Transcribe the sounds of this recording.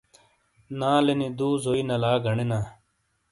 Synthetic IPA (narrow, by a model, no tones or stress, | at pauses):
nãːlenid̪uːzoːinɐlaːɡʱɐɳenaː